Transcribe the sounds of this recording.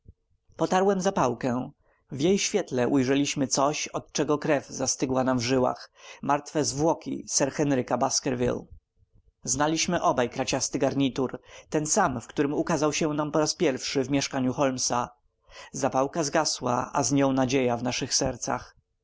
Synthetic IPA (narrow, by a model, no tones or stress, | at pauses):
pɔt̪aɾwɛmzapawkɛ | vjejɕfʲjɛt̪lɛʔujʐɛlʲiɕmɘt̪sɔɕɔt̪̚t͡ʂɛɡɔkɾɛvzast̪ɘɡwanamvʐɘwa̰xmaɾt̪fɛzvwɔkʲḭsɛɾxɛnɾɘkabaskɛɾvʲḭl | znalʲiɕmɘʔɔbajkɾat͡ɕast̪ɘɡaɾɲit̪uɾt̪ɛnsamfkt̪uɾɘmukazawɕɛnampɔɾaspʲjɛɾfʂɘvmʲjɛʂkaɲuxɔlmsa | zapawkazɡaswa̰ʔa̰zɲɔ̃w̃nad͡ʑejavnaʂɘxsɛɾt̪sa̰x